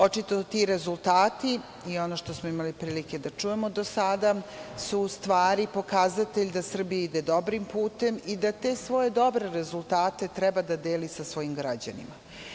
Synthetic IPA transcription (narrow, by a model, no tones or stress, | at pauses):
o̞t͡ʃit̪ot̪iɾe̞zulˠt̪aːt̪i | io̞no̞ʃt̪o̞smoimalipɾiːlike̞d̪at͡ʂuje̞mo̞d̪osad̪asust̪ʋaːɾipo̞kazat̪eʎʲd̪asr̩bijaid̪e̞d̪o̞bɾimpuːt̪e̞mid̪at̪e̞sʋo̞je̞d̪o̞bɾe̞ɾe̞zulˠt̪aːt̪e̞t̪ɾɛbad̪ad̪eːlisasʋo̞jimɡɾad͡ʑa̰nḭma